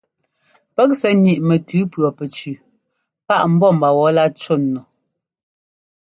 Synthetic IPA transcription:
pɛ˦k̚sɛ˨˦ɲi˨ʔmɛ˨tʉ˨˦pɰɔ˨pɛ˨t͡ʃʉ˨ | pa˦ʔm̩˦bɔ˦˨m̩˨ba˨wɔ˨˦la˦˨t͡ʃo˦˨nːɔ˨

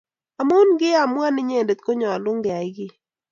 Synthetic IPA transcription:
a˨mo˦u˦nɡɪ˦a˨mwa˦nɪ˦ɲe˦˨nde˨t̪̚ko˦ɲɔ˨a˨lʊ˦ŋdɪ˨a˨ɪ˦ɡɪ˦

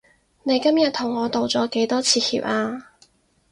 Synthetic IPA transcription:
ne˨˧jkɐ˥mjɐ˨t̚t̪ʰʊ˨˩ŋːɔː˨˧t̪o˨wt͡sɔː˨˥ke˨˥jt̪ɔː˥t͡sʰiː˨˧hḭː˨p̚ʔaː˧

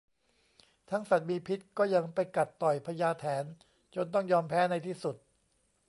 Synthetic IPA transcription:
t̪ʰa˦˥ŋsa˨˩t̪̚miː˧pʰi˦˥t̪̚kɔː˥˩ja˧ŋpa˧jka˨˩t̪ːɔ˨˩jpʰa˧jaː˧t̪ʰɛː˩˦n | t͡ɕo˧nt̪ɔ˥˩ŋjɔː˧mpʰɛː˦˥na˧jt̪ʰiː˥˩su˨˩t̪̚

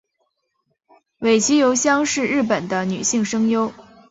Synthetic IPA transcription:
we˨˩ɪt͡ɕʰi˧˥jo˧˥ʊɕjɑ˥ŋʂɻ̩˥˧ɻɻ̩˥˩pə˨˩nd̪ə˦ny̰˨˩ɕi˥˩ŋʂɤ˥ŋjo˥ʊ

